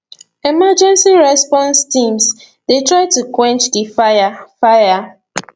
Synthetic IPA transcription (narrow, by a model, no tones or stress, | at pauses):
ɛmad͡ʒɛ̃nsiɹɛspɔ̃nstĩms | detɹaɪtukwɛ̃nt͡ʃdifaafaja